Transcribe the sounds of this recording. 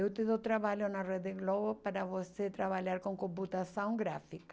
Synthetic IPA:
ewt̪iðot̪ɾaβaʎonared̪ɪɣloβopaɾaβoset̪ɾaβaʎaɾkõŋkõmp̬ut̪asõŋɡɾafikḁ

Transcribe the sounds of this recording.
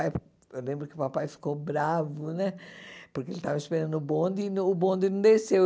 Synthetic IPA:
aj | ewlẽmbɾʊkɪʊpapajfi̥kobɾavʊnɛpoɾkeelɪt̪avɐĩspeɐ̃d̪ʊbõnd̪ɪnɐ̃ʊbõnd̪ɪnɐ̃d̪ese

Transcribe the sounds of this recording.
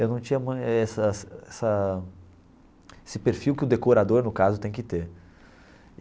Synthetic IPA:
ewnɐ̃w̃t͡ʃĩɲɐmũɛsɐsɛsɐ | esɪpeɾfiwkɪʊd̪ekoɾad̪oɾnʊkazʊt̪ẽj̃kɪt̪eɾ

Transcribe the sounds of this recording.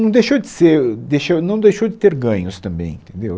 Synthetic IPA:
nɐ̃w̃d̪ejʃowd͡ʒɪseɾd̪ejʃownɐ̃w̃d̪ejʃowd͡ʒɪt̪eɾɡɐ̃ɲʊst̪ɐ̃mbẽj̃ḭ̃nt̪ẽnd̪ew

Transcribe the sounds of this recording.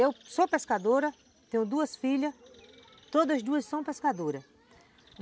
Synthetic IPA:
ewsopeskad̪oɾɐ | t̪ẽɲʊ̃d̪uɐsfiʎɐ | t̪od̪ɐzd̪uɐssɐ̃w̃peskad̪oɾɐ

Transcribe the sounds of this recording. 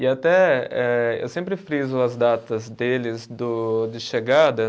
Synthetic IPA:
ɪat̪ɛɛḛwsẽmpɾɪfɾizʊɐzd̪at̪ɐzd̪elɪzd̪ʊd̪ɪʃeɡad̪ɐ

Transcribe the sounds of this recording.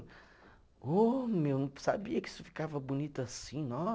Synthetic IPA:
omewnɐ̃sabiɐkɪi̥sʊfi̥kavɐbunit̪ʊasĩnɔ

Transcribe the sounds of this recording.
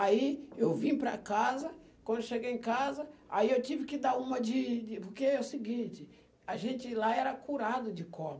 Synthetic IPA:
aiewvĩpɾɐ̰kazɐ | kwɐ̃nd̪eʃeɡejẽkazɐa̰iewt͡ʃivɪkɪd̪aɾũmɐd͡ʒɪd͡ʒɪpoɾkeɛʊsɪɡĩnt͡ʃɪ | aʒẽnt͡ʃɪlaɛɾɐkuɾad̪ʊd͡ʒɪkõ

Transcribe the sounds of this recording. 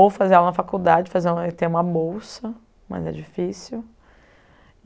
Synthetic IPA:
owfazeɛlɐnɐfakuwd̪ad͡ʒɪfazeɛit̪ẽũmɐbowsɐ | mɐ̰zɛ̰d͡ʒifisiw

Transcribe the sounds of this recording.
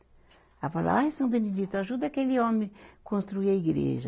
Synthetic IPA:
avala̰ẽsɐ̃w̃bẽned̪it̪ʊaʒud̪ɐkelɪõmẽkõst̪ɾuiɐiɡɾḛʒɐ

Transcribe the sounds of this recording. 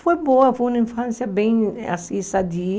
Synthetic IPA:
fojboɐfojũnɐĩfɐ̃nsjɐbẽj̃a̰sĩsad̪i

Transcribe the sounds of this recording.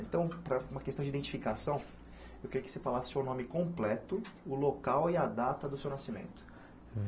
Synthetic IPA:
ẽt̪ɐ̃w̃pɾɐũmɐkest̪ɐ̃d͡ʒid̪ẽt͡ʃi̥fikasɐ̃w̃ | ewkɪɾiɐkɪ̥sefalasɪ̥sewnõmɪkõplɛt̪ʊʊlokawiad̪at̪ɐd̪ʊsewnasimḛ̃nt̪ʊ̥

